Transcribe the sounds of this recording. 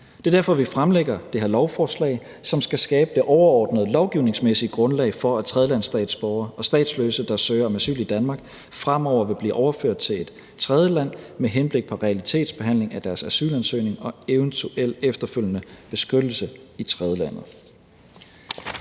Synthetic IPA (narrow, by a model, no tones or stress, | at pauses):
d̥e̝ɐdæɐfɒ̽ʋifʁamleɡ̥ɐd̥e̝hæɐlɒʊfɒːslɛ̰ɪ | sɒ̽msɡ̥æsɡ̥ɛːb̥əd̥e̝ʔɒʊɐɒ̰ːd̥nəð̞ˠlɒʊɡ̥iʊne̝ŋsmesi̥ɡ̥ʁɔ̽nlɛ̰ɪfɒ̽æt͡sʰʁɛð̞ˠəlænsd̥ɛ̰ːd̥sb̥ɒʊɐɒ̽sd̥ɛ̰ːd̥sløsəd̥ɑ̈søːɐɒ̽mæsy̰ːlid̥ænmɑ̈ɡ̥̚ | fʁam̰ɒʊ̰ɐʋe̝b̥lḭːʔɒʊɐføɐ̰d̥t͡sʰe̝le̝d̥ | t͡sʰʁɛð̞ˠəlæn̰meɦenb̥le̝ɡ̥̚pʰɒ̽ʁɛælit͡sʰe̝̰ːd̥sb̥e̝ɦæn̰le̝ŋæd̥æɐsæsy̰ːlænsø̰ːne̝ŋɒ̽eʊənt͡sʰuʔel̰efd̥ɐføl̰jənəb̥e̝sɡ̥ød̥l̩səit͡sʰʁɛð̞ˠəlæn̰ð̩ˠ